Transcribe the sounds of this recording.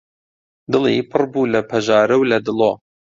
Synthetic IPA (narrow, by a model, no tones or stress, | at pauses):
d̪ɨlˠḭpʰɨrbuːlɐpʰɐʒɑːɾɐwlɐd̪ɨloː